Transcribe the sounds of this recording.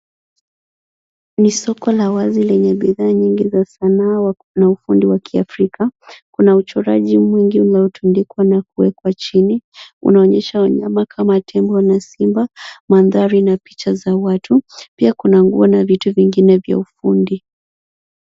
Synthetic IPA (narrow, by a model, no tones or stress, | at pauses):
nisɔkɔlawazilɛɲɛɓiðaːɲiŋɡizasana | naufundiwakʰiafɾikakunaut͡ʃɔɾa̰ʄimwiŋɡiulaɔtʰundikwanakuwɛkwat͡ʃiniṵnaɔɲɛʃaɔɲamakʰamatʰɛmbɔnasimbamanðaɾinapi̥t͡ʃazawatʰupiakunaŋɡṵɔnavituviŋɡinɛvja̰ufundi